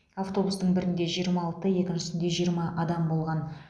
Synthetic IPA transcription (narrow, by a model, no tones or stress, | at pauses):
aft̪o̞bust̪əɴbɪɾɪnd̪e̞ʒijəɾmɑːlˠt̪əje̞kʲɪnʒɪsɪnd̪e̞ʒijəɾmɑʔɑd̪ɑmbo̞lˠʁɑn